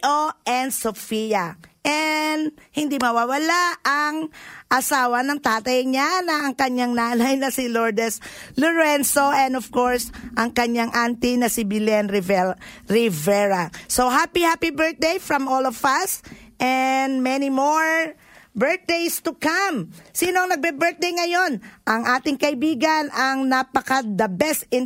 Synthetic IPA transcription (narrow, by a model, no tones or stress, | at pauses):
ʔoʔɛnd̪sofiɐʔɛnd̪hɪnd̪imɐwawɐlaɐŋʔɐsaːwɐnɐŋt̪aːt̪ɐjɲanɐɐŋkɐɲaŋnaːnɐjnɐsɪloɹd̪ɛslʊɹɛnsoɛ̃nd̪ɔv̥koɹsʔɐŋkɐɲaŋʔant̪inɐsɪbɪlɛnɾɪvɛɾɪvɛɹasoɦapihapibɛɹt̪̚d̪ejfɹɐmolɔvɐsʔɛnd̪mɛnimoɹ | bɛɹt̪̚d̪ejst̪ʊkamsiːnoɐŋnɐɡ̚bɛbɛɹt̪̚d̪ejŋɐjo̞nʔɐŋʔaːt̪ɪŋkɐʔɪbiːɡɐnɐŋnapɐkɐd̪ɐbɛst̪ɪn